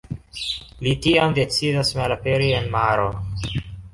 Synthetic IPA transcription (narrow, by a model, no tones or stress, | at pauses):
litiamde̞t͡sidasmalapeɾienmaɾo